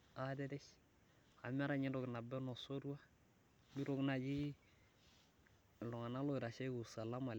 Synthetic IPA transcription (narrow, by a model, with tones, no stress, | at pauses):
a˦dɛ˦dɛ˦ʃ | a˨m˦a˦ɾa˦ɲɪ˦ndɔ˨kna˨bɛ˦nɔ˨so˦ɾu˦a˦ | mi˦ɾo˦kna˨d͡ʒi˦˨ | lɔ˨ŋa˨na˦lo˦ɪ˨ɾa˨ʃe˦ɡu˨sa˨la˦ma˨l